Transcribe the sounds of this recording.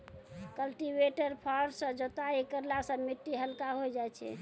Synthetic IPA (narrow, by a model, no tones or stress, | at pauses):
kəlʈibeʈəɾpʰaɾsə̃d͡ʒot̪aikəɾlasə̃miʈːiɦəlkaɦojd͡ʒaɛt͡ʃʰɛ̰